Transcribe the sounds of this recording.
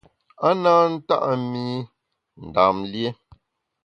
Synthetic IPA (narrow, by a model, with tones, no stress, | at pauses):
a˦naː˦n̩˦ta̰˦ʔa˨mi˦ | n̩˨daː˨mlje˦